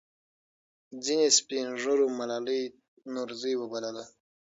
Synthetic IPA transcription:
d͡zinespinʐoɾumalalij | nuɾzijwəbalala

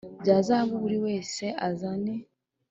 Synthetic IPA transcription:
ɟaːzaβuβuɾiwe̞ːse̞ʔazane

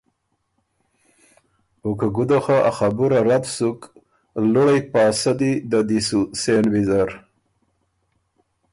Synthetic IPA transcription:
ukaɡud̪axaʔaxabuɾaɾat̪suk | luɽajpɑːsad̪id̪ad̪isusenwizaɾ

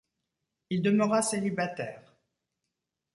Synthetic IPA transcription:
ild̪əmœʁaselibat̪ɛːʁ

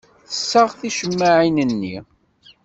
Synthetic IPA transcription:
θəsːaʁθiʃəmːaʕinənːi

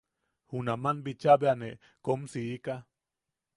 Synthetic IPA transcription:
hunamanbit͡ʃabeane | komsiika

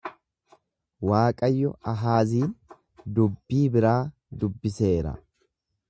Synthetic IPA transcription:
waːkʼɐjːɔɐɦaːziːn | d̪ʊbːiːbɪɾaː | d̪ʊbːɪse̞ːɾɐ̰

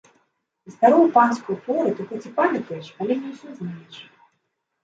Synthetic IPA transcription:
ist̪aɾɔwpanskujt̪vɔɾɨt̪ɨxɛt͡sʲipalʲit̪ujɛʂalʲɛnʲɛwsʲɔznajɛʂ

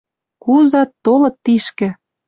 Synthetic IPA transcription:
kuzɑt̪ːolɤ̆t̪ːiʃkɘ̆

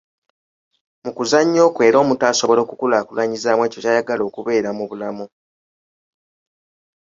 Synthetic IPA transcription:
mukuzaɲːo̞ːkwe̞ːɾo̞ːmutaːso̞βo̞lo̞ːkukulaːkulaɲizaːmweːcocaːjaɡalo̞ːkuβe̞ːɾamuβulamu

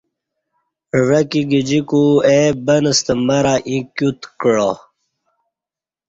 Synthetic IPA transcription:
ʋekiɡid͡ʑikuebənəst̪emɐɾaʔĩkjut̪kɭo

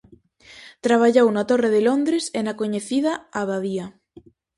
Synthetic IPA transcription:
t̪ɾaβ̞aʎownat̪oreðelond̪ɾesenakoɲeθið̞aaβaðia

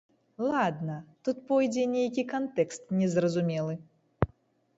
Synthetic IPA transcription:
lˠad̪nɐt̪ut̪̚pɔjd͡zʲɛnʲejkʲikant̪ɛkst̪nʲɛzrɐzumʲɛlˠɨ

